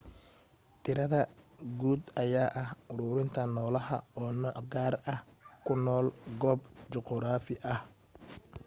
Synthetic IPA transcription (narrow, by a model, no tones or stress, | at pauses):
t̪ʰɪɾɐðɐɡuːd̪ɐjaːʔɐhʊɾʊːɾɪnt̪ʰɐnɔːlɐɦɐ̰ɔːnɔːʕɡaːrɐhkʰʊnɔːlɡɔːbt͡ʃɔqɔɾaːfɪʔɐh